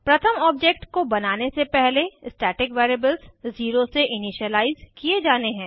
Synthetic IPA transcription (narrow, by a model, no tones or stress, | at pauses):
pɾɐt̪ʰəmɔːb̚d͡ʒek̚ʈkobɐnaːnesepɛɦleɪsʈɛːʈɪkʋeːɾeːbəlzːiːɾoseʔɪnɪʃəlaːɪzkied͡ʒaːneɦɛ̃ː